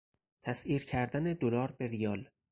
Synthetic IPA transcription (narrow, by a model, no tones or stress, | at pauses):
t̪ʰæsiːɾcʰæɾd̪æned̪olɒːɾbeɾijɒːl